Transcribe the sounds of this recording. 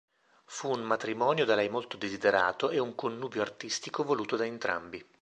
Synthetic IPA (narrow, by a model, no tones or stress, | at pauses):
fuːnmat̪ɾimɔːnjod̪alɛjmolt̪od̪ezid̪eɾa̰ːt̪oʔeuŋkonːuːbjoart̪ist̪ikovoluːt̪od̪aent̪ɾʔa̰mbi